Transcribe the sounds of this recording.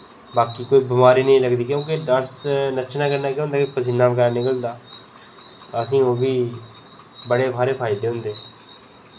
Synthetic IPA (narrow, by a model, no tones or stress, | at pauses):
baːkiːkoːiːbɪmaːɾiːnəĩːləɡd̪iːkjõːkɪɖaɾsnət͡ʃʰnãːkəɾnaːkjʊ̃nd̪aːkepəsɪnːãːbəɡaːnɪkəld̪aː | t̪ːəsĩːoːbiː | bəɽeːbaːɾeːpʰaːɪd̪eːɦʊ̃nd̪eː